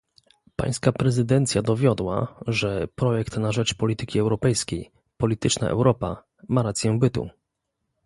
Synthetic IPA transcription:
pa̰j̃skapɾɛzɘd̪ɛnt̪sʲjad̪ɔvʲjɔd̪wa̰ʐɛpɾɔjɛkt̪naʐɛt͡ʂpɔlʲit̪ɘkʲiɛwɾɔpɛjskʲej | pɔlʲit̪ɘt͡ʂna̰ʔɛ̰wɾɔpa̰ | maɾat̪sʲjɛ̃bɘt̪ṵ

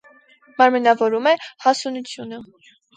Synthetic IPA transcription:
mɑɾmɛnɑvɔɾumɛhɑsunut͡sʰjunə

